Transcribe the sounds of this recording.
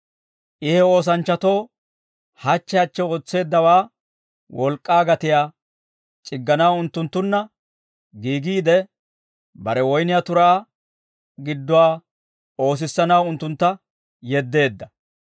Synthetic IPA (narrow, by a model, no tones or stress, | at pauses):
ʔɪhɛo̞ːs̬ɐnt͡ʃːɐt̪o̞ː | hɐt͡ʃːɛɐt͡ʃːɛot͡sːe̞ːd̪ːɐwaː | wɔlkʼːaːɡɐt̪ɪjaː | t͡ʃʼɪɡːɐnɐwʊnt̪ːʊnt̪ːʊnːɐ | ɡiːɡiːd̪ɛ | bɐɾɛwɔjnɪjat̪ʊɾaː | ɡɪd̪ːɔwaː | o̞ːs̬ɪsːɐnɐwʊnt̪ːʊnt̪ːɐ | jɛd̪ːe̞ːd̪ːɐ